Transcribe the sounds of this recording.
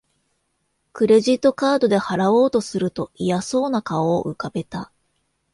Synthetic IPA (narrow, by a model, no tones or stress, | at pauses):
kɯ̟ɾe̞ʑit̪ːo̞kaːd̪o̞d̪e̞haɾao̞ːt̪o̞sɨɾɯ̟t̪o̞ijaso̞ːnakao̰ːʔɯ̟̰kabe̞t̪a